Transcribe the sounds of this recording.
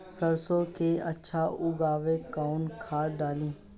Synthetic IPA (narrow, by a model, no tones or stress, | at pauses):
səɾsõkeɐtːʃʰaʔʊɡaːʋekaːʊnkʰaːɖaːlĩː